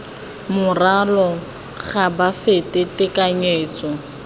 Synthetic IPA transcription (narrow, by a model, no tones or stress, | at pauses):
mʊralɔ | χabafetɪtɪkaɲeːt͡sɔ